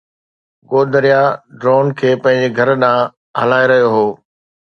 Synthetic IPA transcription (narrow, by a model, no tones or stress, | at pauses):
ɡoːd̪əɾijaɖɾoːnkʰeːpɐ̃ɦɪ̃ɲd͡ʑeɡʱɐɾɗãː | ɦɐlaːeɾɐɦijoɦoː